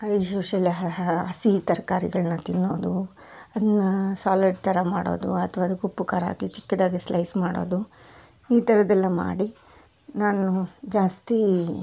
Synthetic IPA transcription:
ɐjʃuːʂɐlːiɦɐɦɐsit̪ɐɾkaːɾḭɡɐɭɐnːɐt̪inːo̞ːd̪u | ɐd̪ɐnːɐsaːliɖ̚t̪ɐɾɐmaːɽo̞̰ːd̪ṵɐt̪ʰɐʋaːd̪ukupːukaːɾɦa̰ːɡit͡ʃi̥kːɐd̪aːɡislɐjsmaːɽo̞̰ːd̪u | iːt̪ɐɾɐd̪ɐlːɐma̰ːɽi | naːnud͡ʒaːst̪i

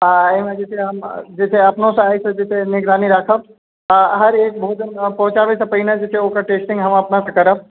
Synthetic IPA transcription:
ɦaːimɛ̃d͡ʒɛt̪ʰeɦɐmd͡ʒɛt̪ʰeɐpnõseaːisɐd͡ʒɛt̪ʰenɪɡɾaːniɾaːkʰəb | ɦɐɾeːk̚bʱoːt̪npɔ̃ːt͡ʃaːʋisɐpɐinãd͡ʒɛt̪ʰeoːkɐɾʈeːsʈɪ̃ŋɡɦɐmɐpnãsɐkɐɾəb̚

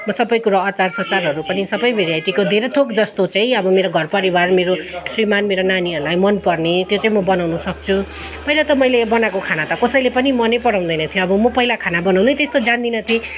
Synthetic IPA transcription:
mʌsʌbʌjkuɾaːt͡sarsʌt͡sarɦʌɾupʌnisʌbʌjbeɾjajt̪ikod̪ʱeɾʌt̪ʰokd͡zʌst̪ot͡saĩʌbʌmeɾoɡʱʌrpʌɾibarmeɾosrimanmeɾonaniɦʌɾulajmʌnpʌrnet̪jot͡saĩmʌbʌnawnusʌk̚t͡sʰu | pʌilat̪ʌmʌjlebʌnakokʰanat̪ʌkʌsʌjlepʌnimʌnepʌɽãw̃nd̪ʌjnʌt̪ʰjoʌbʌmʌpʌɦilakʰanabʌnawnet̪est̪od͡zand̪inʌt̪ʰi

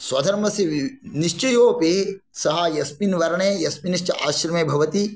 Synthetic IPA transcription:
sʋɐd̪ʱɐɾmɐsiniʃt͡ʃɐjoːpe | sɐɦɐjɐspinʋɐɾɐɳeːjɐspiniʃt͡ʃɐʔaːʃɾɐmeːbʱɐʋɐt̪i

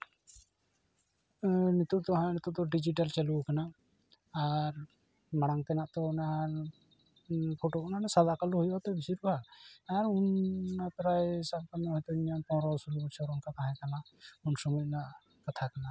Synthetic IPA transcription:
nit̪ut̪ɔɦãnit̪ut̪ɔɖid͡ʒiʈ̬alt͡ʃalukanaː | ɾ | maɽ̃aŋt̪ɛnaʔt̪ɔnaɾ | pʰoʈokɔnanasalakaluɦujɔt̪ɛbisiɾbʱaaɾunapɾajsab̚kanɛɦɔ̃jt̪ɔiɲanpɔ̃nɾɔsɔlut͡ʃʰɔɾunkakaɦɛ̃kanaunsɔmut̚naʔ | kat̪ʰakana

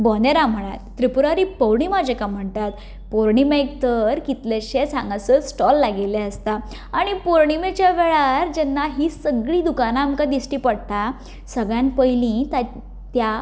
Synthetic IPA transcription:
bɔneɾam̤əɽ̃a̰t̪ːɾipuɾaɾiːpəwɳiːmad͡ʑekam̤əɳt̪at̪ | poɾɳimek̚t̪əɾkit̪leɕet͡sʰãŋɡasət͡ssʈɔlːaɡeleəst̪aː | ɽ̃ipoɾɳimet͡ɕjaʋeɭaɾd͡ʑɛnːaɦisəɡɭiːd̪ukanaːmkad̪isʈiːpəɽt̪a | səɡɭjãnpəjlĩt̪a | t̪ja

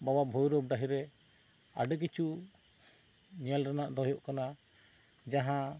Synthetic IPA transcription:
bawabʱɔjɾɔb̚ɖaɦiɾɛ | a̰ɖəkit͡ʃu | ɲalɾanaʔd̪ɔjɔʔkana | d͡ʒaɦã

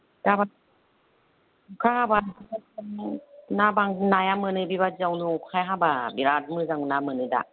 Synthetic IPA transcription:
daba | kʰahabaaaŋnabaŋnajamɯnɯbibazawnukʰajɦababiɾat̚mɯzaŋunamɯnɯda̰

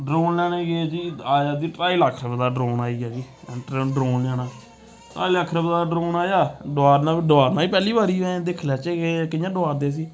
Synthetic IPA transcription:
ɖɾoːnlãːnẽːɡed͡ʒiːaːjaːd̪iːʈɾaːiːlaːkʰɾəbd̪aːɖɾoːnaːiːaːd͡ʒiː | ɖɾoːnljaːnãː | ʈɾaːiːlaːkʰɾəbd̪aːɖɾoːnaːjaːɖoaːɾnãːɖoaːɾnãːiːpɛːliːbaːɾiːɛ̃d̪ɪkʰlaːt͡ʃeeːkɪjãːɖoaːɾd̪eːs̬iː

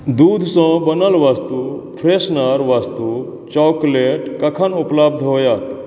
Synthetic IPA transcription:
d̪uːd̪ʱsɔ̃bənəlʋast̪upʰɾesnəɾʋast̪u | t͡ʃɔːkleʈkɐkʰanʊplab̚d̪ʱɦoːjaːt̪

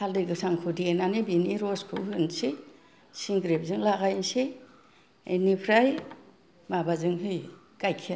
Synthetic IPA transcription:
haldɯɡɯsaŋkʰudienanebiniɾɔskʰɯ̰ɦɯnsi | siŋɡɾep̚zɯŋlaɡajnsi | ḛjnipʰɾaj | mabazɯŋɦɯj | ɡ̥ajkʰi

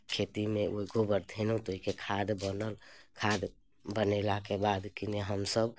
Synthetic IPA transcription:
kʰet̪imeʔoiɡʱobəɾd̪ʱenut̪oɦikekʰad̪bənəlkʰad̪ | bənelakebad̪kineɦəmsəb

